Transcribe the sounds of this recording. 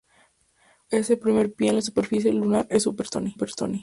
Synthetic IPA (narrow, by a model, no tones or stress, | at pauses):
eselpɾimeɾpjeenlasupeɾfis̬jelunaɾesupeɾt̪o̰nipeɾt̪o̰ni